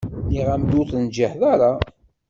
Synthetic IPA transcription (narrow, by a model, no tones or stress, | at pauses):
niʁæmd̪uθnd͡ʒəħðaɾa